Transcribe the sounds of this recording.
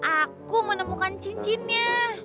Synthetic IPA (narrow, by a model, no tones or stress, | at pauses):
ʔakumənəmukant͡ʃint͡ʃinɲa